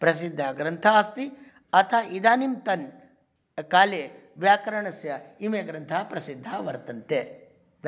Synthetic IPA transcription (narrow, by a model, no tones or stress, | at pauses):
pɾɐs̬id̪ʱːaːɡɾɐnt̪ʰaɐst̪i | ɐt̪ʰaːid̪aːnimt̪ɐn | kaːleː | ʋjaːkɐɾɐɳɐsjɐimeːɡɾɐnt̪ʰaːpɾɐsid̪ʱːaːʋɐɾt̪ɐnt̪eː | d̪